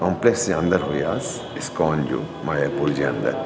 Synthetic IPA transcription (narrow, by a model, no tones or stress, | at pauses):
kɔːmplekseɐ̃nd̪əɾɦoːjaːs | ɪskɔːnd͡ʒo̰ː | maːjapold͡ʒiɐ̰̃nd̪ə̰ɾ